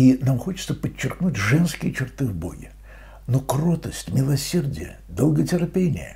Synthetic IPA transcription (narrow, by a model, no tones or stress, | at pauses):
inamxot͡ɕɪ̥t̪səpət͡ɕːɪrknutʲʐɛnskʲɪjət͡ɕɪrt̪ɨvbo̞̰jʲɪ | nokrot̪əsʲtʲmʲɪlˠɐsʲerdʲɪ̰jə̰ | d̪əlˠɡətʲɪɾɐpʲenʲɪ̰jə̰